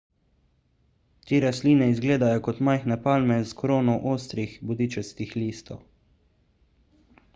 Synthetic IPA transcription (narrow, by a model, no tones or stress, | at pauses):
t̪eːɾasliːnɛizɡleːd̪ajɔkɔt̪majxnɛpaːlmɛzkɾoːnɔwʔoːst̪ɾixbɔd̪iːt͡ʃɛlskixliːst̪ɔw